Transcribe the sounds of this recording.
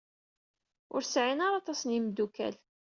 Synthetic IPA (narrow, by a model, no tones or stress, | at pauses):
ʊ̰ɾsʕinaɾɑt̪ˤɑsnimd̪ukæ̰l